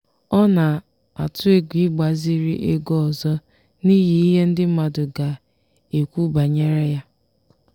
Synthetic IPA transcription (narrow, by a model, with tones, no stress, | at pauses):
ɔ˦na˨ | a̰˨tʊ˦e˦ɡʷi˦ɡ͡ba˨zi˦ɾi˦ʔe˦ɡɔ˦ɔ˨zɔ˦ | ni˦ɦi˨i˦ɦe˦n̩˦dɪ˦m̩˦ma˨dʊ˨ɡa˨ | e˨kʷu˦ba˨ɲe˦ɾe˦ja˦